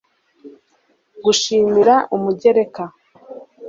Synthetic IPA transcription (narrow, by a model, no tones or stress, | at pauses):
ɡuʃiːmiɾaʔumuɟe̞ɾe̞ka